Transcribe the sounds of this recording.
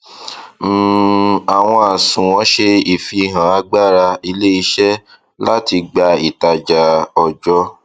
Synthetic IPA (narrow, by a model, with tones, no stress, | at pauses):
m̩ː˨a˨w̃ɔ̃˧a˨sũ˨wɔ̃˨˧˦ʃe˧i˨fi˧˨ɦã˨a˧˦ɡ͡ba˦˨ɾa˧i˧le˦i˧ʃɛ˦ | la˦ti˧ɡ͡ba˧i˨ta˨d͡ʒa˨ɔ˨d͡ʒɔ˧˦